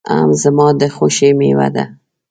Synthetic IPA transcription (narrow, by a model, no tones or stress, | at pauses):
a̰mzəmɑd̪əxoʃemewa̰d̪a̰